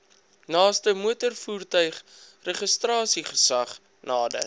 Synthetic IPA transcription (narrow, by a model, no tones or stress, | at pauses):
nɑːstəmuətərfuːrtœɥχ | rəχəstrɑːsiχəsɐχ | nɑːdə̰r